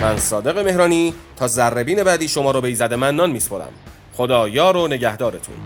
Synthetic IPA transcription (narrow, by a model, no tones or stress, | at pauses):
mænsɒːd̪e̞ɣe̞me̞hɾɒːniːt̪ʰɒːzærːebiːne̞bæːd̪iːʃo̞mɒːɾɒːbejzæd̪e̞mænːɒːnmiːspʰoɾæ̰m | χod̪ɒːjɒːɾone̞ɟæhd̪ɒːɾet̪ʰṵ